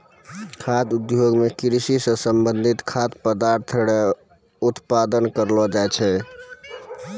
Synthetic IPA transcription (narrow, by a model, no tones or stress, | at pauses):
kʰad̪ud̪joɡmekɾisisə̃səmbənd̪ʱit̪kʰat̪pəd̪aɾt̪ʰəɽɛ | ut̪pad̪ənkəɾlɔd͡ʒajt͡ʃʰɛ